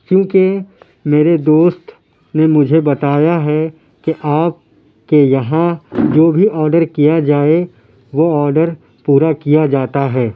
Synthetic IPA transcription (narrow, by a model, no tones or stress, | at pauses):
kjõːke | meːɾed̪oːst̪ | nemʊd͡ʒʱebɐt̪aːjaɦɛ | keʔaːp̚ | kejɐɦãd͡ʒoːbʱiʔɔːɾɖəɾkijad͡ʒaːe | ʋoɔːɾɖəɾ | puːɾakijad͡ʒaːt̪aɦɛː